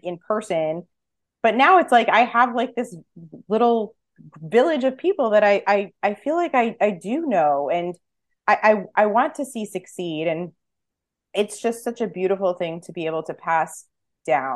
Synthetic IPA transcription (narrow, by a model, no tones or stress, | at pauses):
ɨ̃npʰɜ˞sɨ̃n | b̥ʌtⁿnaʊɨtslaɪkaɪəvlaɪk̚ðɪslɪɾl̩ˠ | vɪlˠɨd͡ʒʌv̥pʰipl̩ˠðɨɾaɪʔaɪaɪfilaɪkaɪʔaɪdɨnoʊɨ̃n | ʔaɪʔaɪʔaɪwɑ̃ntʰɨsisɨksiɾɨ̃n | ɨtsd̥ʒ̥ʌstsʌt͡ʃɨbjʉɾɨfl̩ˠθɪ̃ŋtʰɨbieɪbl̩ˠtʰɨpʰæs | d̥ãʊ̃n